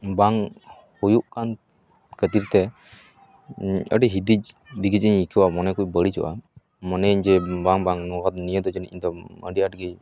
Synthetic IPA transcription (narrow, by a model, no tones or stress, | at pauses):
baŋ | hujuʔkan | kət̪iɾt̪ɛ | əɖiɦid̪id͡ʒ | diɡid͡ʒiɲikʰəwamɔnɛkujbəɽit͡ʃɔ̰ʔa | mɔnɛɲd͡ʒɛbaŋbaŋnɔɡɔt̪̚nijəd̪ɔd͡ʒɛniiɲd̪ɔə̰ɖiʔaʈɡi